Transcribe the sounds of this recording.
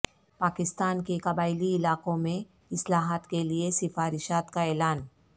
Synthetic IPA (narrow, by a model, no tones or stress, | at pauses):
paːkɪst̪aːnkekɐbaːɪliɪlaːkõmẽ | ɪslaːɦaːt̪keliesɪfaːɾɪʃaːt̪kaɛːlaːn